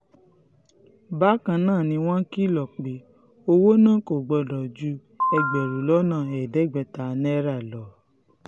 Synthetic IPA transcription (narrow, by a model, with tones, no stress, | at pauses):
ba˦kã˧nãː˦˨nĩ˧w̃ɔ̃˦ki˦˨lɔ˨k͡pe˨ | o˧wo˦nãː˦˨ko˨ɡ͡bɔ˧dɔ˨d͡ʒu˨˦ | ɛ˧ɡ͡bɛ˨ɾu˨lɔ˦nã˦˨ɛ˨dɛ˨˦˨ɡ͡bɛ˧˦ta˨˧nɛ˦ɾa˦˨lɔ˨